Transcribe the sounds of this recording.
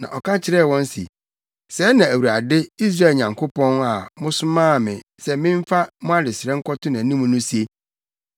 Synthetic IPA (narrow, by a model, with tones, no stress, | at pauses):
nã̰˨ʔɔ˨kʰa˦t͡ɕʰɪ˨ɾɛ˦˨wɔ̃˦n˦sḭ˨ | sɛː˨˦nã˨æ˨wu˨ɾa˨dɪ˦i˦s̬ɾa˦e˨lɲã˨ŋkʰʊ˦pɔ̃˦na˨mʊ̃˦sʊ˦mãː˦˨mɪ̃˨sɛ˦mɪ̃˦m˦fa˦mʊ̃˦a˦dɪ˨sɪ˨ɾɛ̃˦ŋ̩˦kʰɔ˦tʰʊ˦nã˨nĩ˦mũ˦nʊ̃˦si˦e˦